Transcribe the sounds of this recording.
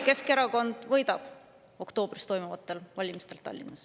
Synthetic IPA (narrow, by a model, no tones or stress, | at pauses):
ke̞ske̞ɾɑko̞nd̪̥vɤ̞jd̪ɑb̥ | o̞kt̪o̞ːb̥rist̪o̞jmuvɑt̪ːˑe̞lvɑlʲimist̪e̞lt̪ɑ̰lʲːinːɑs